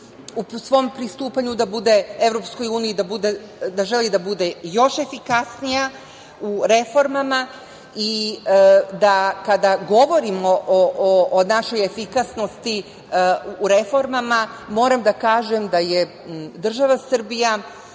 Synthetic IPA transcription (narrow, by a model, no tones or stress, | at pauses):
usʋo̞mpɾist̪uːpaɲud̪abud̪ee̞vɾopsko̞juːnijid̪abud̪e | d̪aʒelid̪abud̪ejo̞ʃe̞fikasnija | uɾe̞fo̞ɾmama | i | d̪akad̪aɡo̞ʋo̞ɾimoʔʔoʔːnaʃo̞jefikasno̞st̪iː | ɾe̞fo̞ɾmamamo̞ːɾamd̪akaːʒemd̪aje | d̪r̩ʒaʋasr̩bija